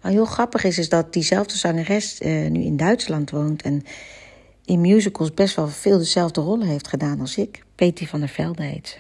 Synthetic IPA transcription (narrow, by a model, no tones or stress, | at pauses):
ʋaɹɦɪːlˠχrɑpəχɪs̬ɪsdɑt̚dizɛlˠvdəzɑŋərɛstny̰ɪ̰ndœɥtslɑntʋowntʰɛn | ɪnmjuːzəkəlˠsbɛstʋɛlˠvɪːlˠdəzɛlˠvdərɔlˠəɦejftχədaːnɑlˠsɪkpejtivɑndəɹv̥ɛlˠdḛjt